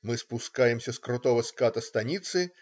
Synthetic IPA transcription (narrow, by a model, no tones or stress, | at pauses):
mɨspʊskajɪmsʲəskɾʊt̪ovəskat̪əst̪ɐnʲit̪sɨ